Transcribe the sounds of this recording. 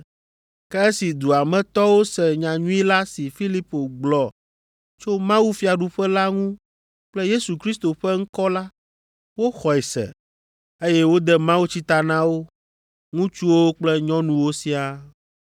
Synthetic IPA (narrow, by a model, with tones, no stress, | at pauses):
kɛ˦e˦si˨d̪u˨a˨mɛ̃˦t̪ɔ˦wo˦sɛ˨ɲã˨ɲũ˦i˦la˦si˨fi˦li˦po˨ɡ͡blɔ˨ | t͡ʃo˦mã˦wu˦fi˦˨a˨ɖu˨ɸɛ˦la˦ŋũ˦ | k͡plɛ˦je˦su˨kɾi˦st̪o˨ɸɛ˦ŋ̩˦kɔ˦la˦ | wo˦xɔ˨ɛ˨sɛ̰˨ | e˦jɛ˦wo˦d̪ɛ˦mã˦wu˦t͡ɕi˦t̪a˨nã˦wo˦ | ŋũ˦t͡ʃu˦wo˦k͡plɛ˦ɲɔ̃˦nũ˦wo˦si˦a˨